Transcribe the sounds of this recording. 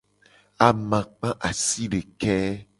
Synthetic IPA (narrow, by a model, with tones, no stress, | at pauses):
a˨mã˨k͡pã˦ʔa˨si˦ɖe˨kɛ˦